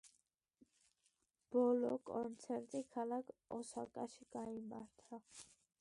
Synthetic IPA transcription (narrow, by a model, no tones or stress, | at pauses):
b̥ɔlɔkʼɔnt͡sʰɛɾt̪ʼikʰalakʰɔsakʼaʃikʼɑimaɾt̪ʰa